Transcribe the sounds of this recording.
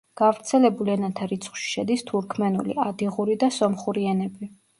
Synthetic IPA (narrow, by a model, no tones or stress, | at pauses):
ɡ̥avɾt̪sʰɛlɛbuliɛnat̪ʰaɾit̪sʰχwʃi̥ʃɛd̪ist̪ʰuɾkʰmɛnṵlḭad̪iʁuɾid̪asɔmχuɾiɛnɛbi